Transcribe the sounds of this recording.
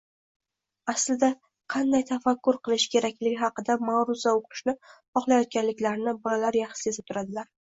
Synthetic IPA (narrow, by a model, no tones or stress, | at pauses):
aslɪd̪a | qʰɑnd̪ajt̪ʰafakʲːʊɾqʰɨlˠɪʃkʲʰe̞ɾakʲlɪɡʲɪɦɑqɨd̪amawɾʊzaoqʰɨ̥ʃnɪ | ɒχlˠajɒt̪̚kʲanlɪkʲlaɾnɪbɪlaɾjaχʃɪ̥se̞zɪp̚t̪ʰʊɾad̪ɪlaɾ